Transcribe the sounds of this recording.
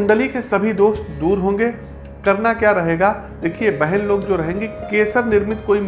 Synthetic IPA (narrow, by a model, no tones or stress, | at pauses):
ɳɖəlikesɐbʱid̪oːst̪d̪uːɾɦõːŋ̆ɡe | kɐɾnakjaːɾɐɦeːɡaː | d̪eːkʰiebɛɦɛnloːɡd͡ʒoːɾɐɦẽːŋɡekeːsəɾnɪɾmɪt̪koːim